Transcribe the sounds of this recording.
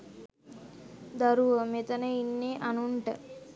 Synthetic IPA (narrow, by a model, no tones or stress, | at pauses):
d̪aɾuʋəmet̪ənəinːeʔanuɳʈə